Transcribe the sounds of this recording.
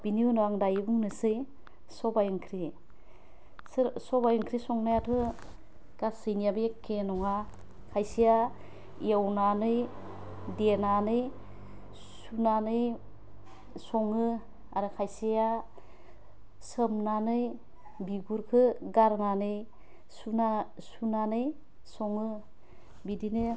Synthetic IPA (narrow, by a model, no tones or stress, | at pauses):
b̥iniunɔaŋdajɯbuŋnɯsɯj | sɔbajɯŋkʰɾi | sɯɾsɔbajɯŋkʰɾisɔŋnajatʰɯ | ɡ̥asɯjnijabekenɔŋa | kʰajsija | ḭawnanɯj | denanɯj | sunanɯj | sɔŋɯ | a̰ɾɯkʰajsija | səmnanɯj | biɡuɾkʰɯɡaɾnanɯj | suna | sunanɯj | sɔŋɯ | bidinɯ